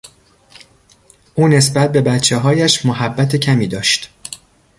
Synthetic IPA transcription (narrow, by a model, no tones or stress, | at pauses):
ʔuːne̞sbæt̪̚be̞bæt̪t͡ʃʰeɦɒːjæʃmoɦæbːæt̪ʰe̞cʰæmiːd̪ɒːʃt̪